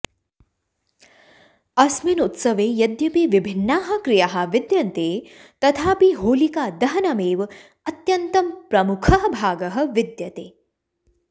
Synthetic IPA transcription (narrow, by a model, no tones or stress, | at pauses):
ɐsminut̪sɐʋeːjɐd̪jɐpiʋibʱinːaːɦɐ̆kɾijaɦɐ̆ʋɪd̪jɐnt̪eːt̪ɐt̪ʰaːpiɦoːlikaːd̪ɐɦɐnɐmeːʋ | ɐt̪jɐnt̪ɐmpɾɐmukʰɐɦɐbʱaːɡɐɦɐ̆ʋid̪jɐt̪eː